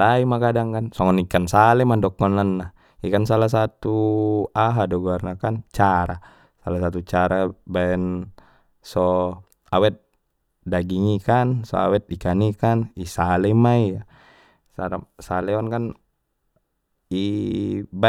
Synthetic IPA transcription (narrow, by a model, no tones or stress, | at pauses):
taimakadaŋkansɔŋɔnikansalɛmandɔkːɔnanːa | ikans̬alas̬at̪uaɦadɔɡuarnakant͡ʃaɾa | salasat̪ut͡ʃaɾabaɛn | sɔ | awɛt̪̚ | daɡiŋikansɔ̰a̰wɛt̪̚ikanikanisalɛmaija | saɾasalɛɔnkan | i | ba